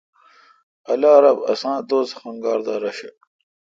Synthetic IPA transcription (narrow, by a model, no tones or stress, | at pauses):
ɐlaːɾɐbɐ̰sãːd̪oːzxɐŋɡaːɾd̪aːɾɐɕɐ